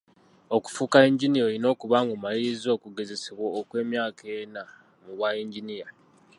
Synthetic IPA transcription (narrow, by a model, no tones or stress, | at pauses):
oku̥fukaiɲɟinijo̞ino̞ːkuβaːŋɡomaliɾizo̞ːkuɡe̞ze̞seβwoːkwe̞ːmjaːkʰe̞na | muβwaiɲɟinija